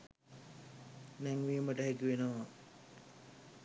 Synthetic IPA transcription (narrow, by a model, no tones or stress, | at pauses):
nɛŋʋiəməʈəɦækiʋenoʋa